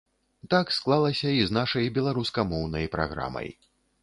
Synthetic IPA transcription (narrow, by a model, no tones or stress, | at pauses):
t̪aksklˠalˠɐsʲɐiznaʂɐjbʲɛlˠaɾuskɐmɔwnɐjpɾa̰ɣɾa̰mɐ̰j